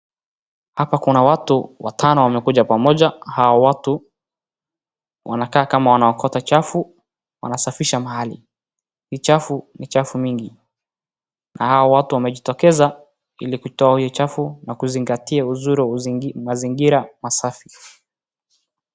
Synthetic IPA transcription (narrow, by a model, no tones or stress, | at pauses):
hapakunawatuwatʰanɔwamɛkuʄapamɔʄahawɔwatu | wa̰nakaːkamawanaɔkʰɔtat͡ʃafu | wa̰nasafiʃamahalḭ | hiːt͡ʃafunit͡ʃafuɲiŋɡi | nʔahaɔwatuwamɛʄitɔkɛza | ilikutɔahijɔt͡ʃafunakuziŋɡatiauzuɾuwmaziŋɡiɾamasafi